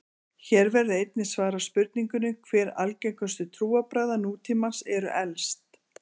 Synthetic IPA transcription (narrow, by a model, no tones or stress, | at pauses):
çɛːɾvɛɾðʏejt̪̚nɪ̥svaːɾaspʏɾt̪̚niŋkʏnʏkʰvɛːɾa̰lcejkœst̪ʏt̪ʰɾuːapɾajðanuːt̪ʰiːmansɛɾʏ̰ʔɛlst̪